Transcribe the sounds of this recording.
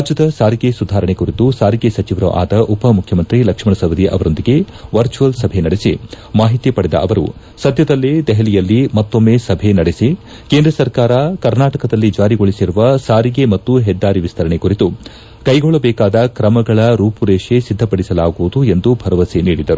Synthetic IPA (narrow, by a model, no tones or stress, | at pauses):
ad͡ʒjɐd̪ɐsaːɾiɡe̞sud̪ʱaːɾɐɳekuɾit̪usaːɾiɡesɐt͡ʃiʋɾɐʔa̰ːd̪ɐʔupɐmukʰjɐmɐnt̪ɾilɐkʂmɐɳɐsɐʋɐd̪iʔɐ̰ʋɐɾo̞nd̪iɡe̞ | ʋɐɾt͡ʃuɐlsɐbʱenɐɽesi | maːɦit̪ipɐɽɛd̪ɐ̰ʔɐʋɐɾṵ | sɐd̪ʱjɐd̪ɐlːid̪ɛɦɐlijɐlːimɐt̪ːomːeːsɐbʱenɐɽesi | keːnd̪ɾɐsɐɾkaːɾɐkɐɾnaːʈɐkɐd̪ɐlːid͡ʒaːɾiɡoɭisiɾuʋɐsaːɾiɡemɐt̪ːuɦɛd̪ːaːɾiʋist̪ʰɐɾɐɳe̞kuɾit̪u | kɐjɡɔɭːɐbɛːkaːd̪ɐkɾɐmɐɡɐɭɐɾuːpuɾeːʂesid̪ʱːɐpɐɽisɐlaːɡuʋud̪ue̞nd̪ubʱɐɾɐʋɐseniːɽid̪ɐɾu